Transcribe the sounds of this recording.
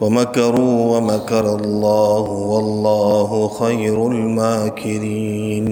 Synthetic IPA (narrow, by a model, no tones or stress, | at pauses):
wamakɑɾˤuːwamakɑɾˤɑlˤːɑːhʊwɑlˤːɑːɦʊxajɾʊlmaːkʰɪɾiːn